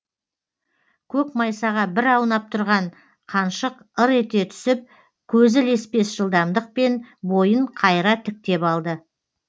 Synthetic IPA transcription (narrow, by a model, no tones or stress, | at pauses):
kʲʰɵkmɑjsɑʁɑbɪɾɑwnɑp̚t̪ʰʊɾʁɑɴ | qʰɑnʃəq | əɾe̞t̪e̞t̪ʰʏ̥sɪp̚ | kʲʰɵzɪlespe̞sʒ̥əlˠd̪ɑmd̪əq̚pe̞nbo̞jəɴqʰɑjɾɑt̪ʰɪk̚t̪e̞pɑlˠd̪ə